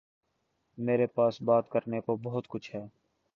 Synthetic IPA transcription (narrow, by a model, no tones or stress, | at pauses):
meːɾepaːsbaːt̪kəɾnekobɔɦʊt̪kʊt͡ʃʰɦɛː